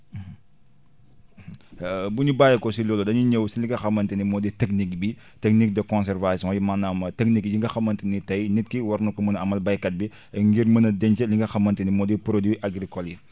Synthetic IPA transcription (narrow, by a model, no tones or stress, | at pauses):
buɲubaːjɛkɔsilɔːlɔdɐɲiɲəwsiliŋɡɐxɐmːɐntɛnimɔːditɛknikbi | tɛk̚nik̚dɐkɔ̃ns̬ɛrvasiɔ̃jimanamɐtɛk̚nikɟiŋɡɐxɐmːɐntinitɐjnit̚kiwɔɾnukɐmunɐɐmɐlbɐjkɐt̚bi | ɛŋɡiɾmənɐdɛɲt͡ʃɛliŋɡɐxɐmːɐntɛnimɔːdipɾodiʔɐɡɾikɔli